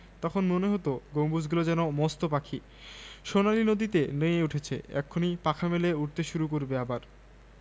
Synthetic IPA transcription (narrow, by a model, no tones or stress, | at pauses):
t̪ɔkʰonmoneɦot̪oɡombud͡ʑɡulod͡ʑɛnomɔst̪opakʰi | ʃonaɾinod̪it̪enejeuʈʰet͡ɕʰḛɛ̰kʰːonipakʰameleuʈ̚t̪eʃuɾuk̬oɾbeabaɾ